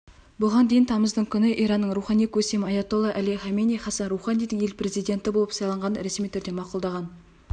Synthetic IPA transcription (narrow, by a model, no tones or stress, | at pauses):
bʊʁɑnd̪e̞jɪnt̪ʰɑməzd̪əɴkʲʰʏnɪʔijɾɑnːəɴɾuχɑnijkʰɵsemɪɑjɑt̪olˠɑʔæliχɑmenijχɑsɑnruwχɑnijd̪əŋe̞lpʰɾe̞zijd̪ʲe̞nt̪ɪbolˠəpsɑjlˠɑɴʁɑnəɾesmijt̪ʰʏɾd̪emɑqʊlˠd̪ɑʁɑn